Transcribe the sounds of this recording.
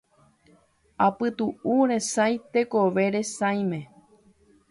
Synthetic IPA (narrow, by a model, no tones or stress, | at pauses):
apɨt̪uuɾe̞sajt̪e̞koʋe̞ɾe̞sãj̃mẽ̞